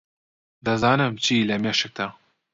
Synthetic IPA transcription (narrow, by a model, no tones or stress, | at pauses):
d̪ɐzaːnɨmt͡ʃʰiːlɐmeːʃɨk̚d̪aː